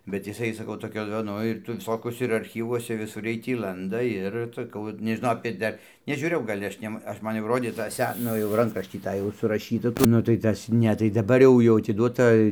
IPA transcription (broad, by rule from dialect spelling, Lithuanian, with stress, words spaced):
bʲɛt jɪˈsɐɪ sɐˈkɐʊ toːˈkʲoː ˈnʊ ɪr tɐɪ ʋʲɪˈsoːkʲuɔsʲɛ ɪr ɐrʲˈxʲiːʋuɔsʲɛ ʋʲɪˈsʊr ˈjiɛj tʲiː ˈlˠɐndɐ ˈɪr sɐˈkɐʊ ʋɐt nʲɛʒʲɪˈnɐʊ ɐpʲeː ˈdɐr nʲɛʒʲuːˈrʲeːjɛʊ ɡɐlʲ ˈɐʃʲ nʲɛm ˈɐʃ ˈmɐn ˈroːdʲeː tɑː ˈsʲɛ ˈnʊ jɛʊ ˈrɐŋkrɐʃʲtʲiː ˈtɑː jɛʊ sʊrɐˈʃʲiːtɐ nʊ tɐɪ ˈtɐs ˈnʲɛ tɐɪ dɐˈbɐr jɛʊ jɛʊ ɐtʲɪˈduɔtɐ